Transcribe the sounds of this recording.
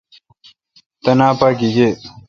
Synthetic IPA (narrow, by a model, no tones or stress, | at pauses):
t̪ɐnaːpaːkiɡe